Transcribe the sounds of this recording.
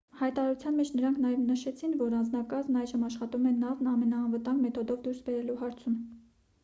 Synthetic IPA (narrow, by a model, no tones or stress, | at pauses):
hɑjt̪ɑɾɑɾut͡sʰjɑnmɛt͡ʃʰnəɾɑŋkʰnɑjɛvnəʃɛt͡sʰinvɔɾɑnd͡znɑkɑzmnɑjʒəmɑʃχɑt̪umɛnɑvnɑmɛnɑːnvət̪ɑŋɡmɛt̪ʰɔd̪ɔvd̪uɾsbɛɾɛluɦɑɾt͡sʰum